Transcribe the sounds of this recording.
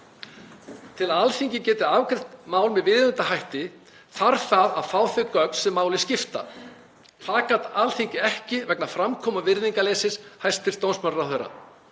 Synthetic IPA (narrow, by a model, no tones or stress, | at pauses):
t̪ʰɪlaðalθiɲcɪcɛːt̪ɪavkɾɪht̪maːwlmɛðvɪðʏnt̪aɦajht̪ɪ | θaɾθaðaðfaːwθɪkœkn̥sɛmːaːwlɪscɪft̪a̰ | θaːkat̪alθiɲcɪɛhcɪvɛknafɾamkʰɔːmavɪɾðiŋkalejsɪshajst̪ɪɾ̥st̪ownsmaraθœɾa̰